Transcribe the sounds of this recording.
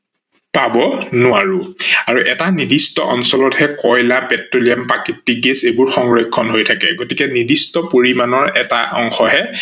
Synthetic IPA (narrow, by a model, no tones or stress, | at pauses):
pabɔnʊaɹuaɹuʔɛtanidistɔʔɔnsɔlɔthɛkɔjlapɛtɹolijampakitːiɡɛsebʊɹxɔŋɹekʰːɔnɦojtʰakɛ̰ɡotikɛnidistɔpoɹimanɔɹɛtaʔɔŋxɔɦɛ